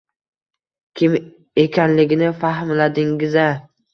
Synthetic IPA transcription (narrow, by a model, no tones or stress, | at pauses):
kʲʰɪm | e̞kʲʰanlɪɡʲɪnɪfaɦmlad̪ɪŋɡɪza